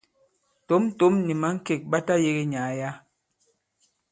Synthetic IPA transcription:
to˦m˦to˨˦mni˨ma˨˦ŋ̩˦ke˦˨k̚ɓa˦ta˦je˦ɣe˦ɲa˨ja˦

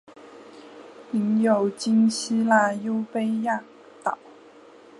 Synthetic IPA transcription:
i˧˥njo˨˩ʊt͡ɕi˥ŋɕi˥la˥˩jo˥ʊpe˥ɪja˥˩ | t̪ɑ˨˩˦ʊ

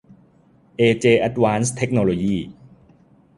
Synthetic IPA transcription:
ʔeː˧t͡ɕeː˧ʔa˦˥t̪̚waː˦˥nst̪ʰe˦˥k̚no˧loː˧jiː˥˩

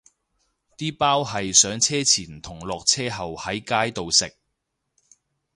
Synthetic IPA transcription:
t̪iː˥paː˥wɦɐ˨jsœː˨˥ŋt͡sʰɛː˥t͡sʰiː˨˩nt̪ʰʊ˨˩ŋlɔː˨k̚t͡sʰɛː˥ɦɐ˨whɐ˨˥jkaː˥jt̪o˨wsɪ˨k̚

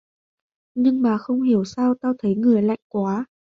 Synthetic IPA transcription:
ɲɨ˧ŋmaː˨˩xə˧wŋ͡mhi˧˩əwsaː˧wt̪aː˧wt̪ʰə˨˦jŋɨ˨˩əjla̰˧˨jŋ̟kwaː˨˦

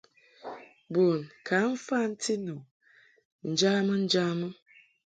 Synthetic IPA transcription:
bo˨nkʰa˨˦m̩˦fa˦n̩˦tʰi˦no˨ | n̩˨d͡ʒa˦mə˦n̩˦d͡ʒa˦mə˦

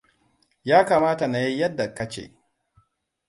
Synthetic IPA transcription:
jaː˦kaː˨maː˦ta˨na˨ji˦jɐ˦dːa˨kɐ˦t͡ʃḛ˨

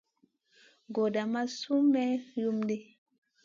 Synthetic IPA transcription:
ɡo˨da˨ma˦su˦mɛ˦ju˦mde˦

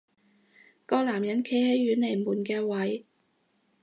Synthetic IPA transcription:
kɔː˧k̚laː˨˩mjɐ˨˥nkʰe˨˥jhe˨˧˥jːyː˨˥nle˨˩jmuː˨˩nkɛː˧wɐ˨˥j

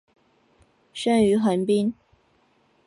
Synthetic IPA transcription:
ʂə˥ny˧˥xə˧˥npi˥n

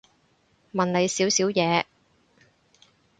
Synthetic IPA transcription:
mɐ˨nle˨˧jsiː˨˥wsiː˨˥wjɛː˨˧

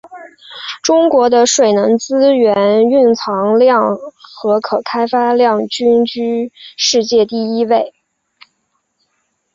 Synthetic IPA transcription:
ʈ͡ʂʊ˥ŋkwɔ˧˥d̪ə˧ʂwe˨˩ɪnə˧˥ŋt͡sɹ̩˥ɥɛ˧˥ny˥˩nt͡sʰɑ˧˥ŋljɑ˥˩ŋxɤ˧˥kʰɤ˨˩kʰa˥ɪfa˥ljɑ˥˩ŋt͡ɕy˥nt͡ɕy˥ʂɻ̩˥˧t͡ɕjɛ˥˧t̪i˥˩i˥we˥˩ɪ

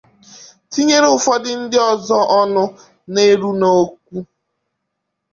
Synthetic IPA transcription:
ti˦ɲe˦ɾe˦ʊ˦fɔ˦dɪ˦n̩˦dɪ˦ɔ˦zɔ˦ʔɔ˦nʊ˦ | ne˦ɾu˦no˦k̚ʷu˦

